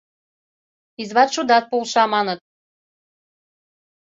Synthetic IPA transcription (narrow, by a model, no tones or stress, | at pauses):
izβɑt̪ʃud̪ɑt̪̚pulˠʃɑmɑnɤt̪̚